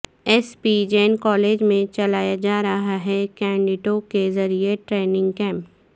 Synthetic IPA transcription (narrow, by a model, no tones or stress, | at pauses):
ɛspid͡ʒenkɔːleːd͡ʒmẽt͡ʃɐlaːjad͡ʒaːɾɐɦaɦɛkɛ̃ːɳɖɪʈokezɐɾieʈɾeːnɪ̃ŋɡkɛ̃ːmp